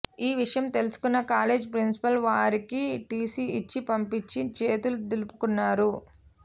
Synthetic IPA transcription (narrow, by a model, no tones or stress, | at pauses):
iːʋiʂɐjɐmt̪e̞lusu̥kunːɐkaːle̞ːd͡ʒpɾinsi̥pɐlʋaːɾikiʈiːsiit͡ʃːipɐmpit͡ʃːit͡ʃeːt̪ulut̪ilupukunːaːɾu